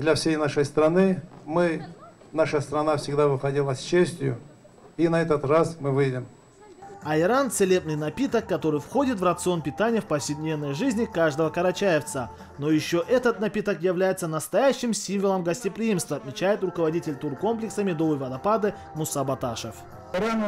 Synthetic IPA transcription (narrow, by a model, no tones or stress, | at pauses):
d̪lʲɐfsʲejnaʂəjst̪ɾɐnɨmɨ | naʂəst̪ɾɐnafsʲɪɡd̪avɨxɐdʲilˠəsʲt͡ɕesʲtʲjʊ | inɐɛt̪ət̪rasmɨvɨjdʲɪm | ɐɪɾant̪sɨlʲebnɨjnɐpʲit̪əkːɐt̪o̞ɾɨjfxo̞dʲɪt̪vrət̪sɨo̞npʲɪt̪anʲɪjəfpɐfsʲɪd̪ʲnʲe̞vnəjʐɨzʲnʲɪkaʐd̪əvəkɐɾɐt͡ɕajɪft̪sə | no̞jɪɕːo̞ʔɛt̪ət̪nɐpʲit̪əkjɪvlʲæjɪt̪sənəst̪ɐjæɕːɪmsʲimvəlˠəmɡəsʲtʲɪpɾʲɪimst̪vəɐt̪mʲɪt͡ɕæjɪt̪rʊkəvɐdʲitʲɪlʲt̪urko̞mplʲɪksəmʲɪd̪ovəjvɐd̪ɐpad̪ɨ | mʊsabɐt̪aʂəf